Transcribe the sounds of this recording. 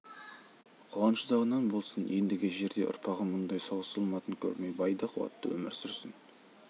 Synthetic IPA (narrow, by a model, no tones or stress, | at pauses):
qʰoʁɑnʃəd̪ɑʁənɑnbo̞lˠsənje̞nd̪ɪɡʲɪʒe̞ɾd̪e̞̰ʔʊ̰ɾpʰɑʁəmʊnd̪ɑjsoʁəsɑlˠmɑt̪əŋkʲʰɵ̰ɾmejbɑjd̪ɑqʰwɑ̰t̪ːəwɵ̰mɪɾsʏɾsɪn